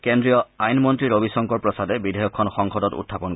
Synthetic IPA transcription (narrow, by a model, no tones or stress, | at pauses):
kendɹijɔajnmɔntɹiɹobisɔŋkɔɹpɹɔsadɛbidʱɛjɔkʰːɔnxɔŋxɔdɔtṵtʰːapɔnk